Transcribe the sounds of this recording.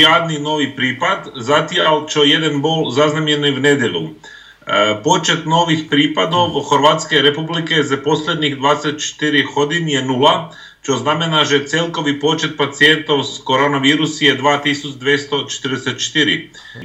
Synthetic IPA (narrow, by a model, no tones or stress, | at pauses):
jaːd̪nino̞ʋipɾiːpad̪zat̪ialt͡ʃoje̞d̪anboːlzaznamjeɾniʋne̞d̪jeʎlu | po̞t͡ʃe̞t̪no̞ːʋixpɾiːpad̪o̞ʋxoɾʋat̪ske̞ɾepublike̞zapo̞slʲed̪niɣd̪ʋaːd̪eset̪̚t͡ʃe̥t̪iɾixo̞d̪injenula | t͡ʃozname̞naʒet̪selˠko̞ʋipo̞t͡ʃe̞t̪̚pat̪sie̞nt̪o̞wskoɾonaʋiːɾusijed̪ʋaːt̪isut͡ʃd̪ʋjest̪o̞t͡ʃet̪ɾd̪eset̪̚t͡ʃet̪iɾḭ